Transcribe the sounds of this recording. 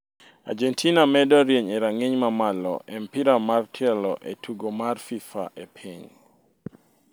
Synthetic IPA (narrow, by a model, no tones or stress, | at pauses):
a̰d͡ʒɛntʰinamɛdɔɾjeɲɛɾaŋeɲmamalɔ̰ʔɛmpiɾamartʰɛlɔʔɛtʰuɡomarfifa̰ʔepʰiɲ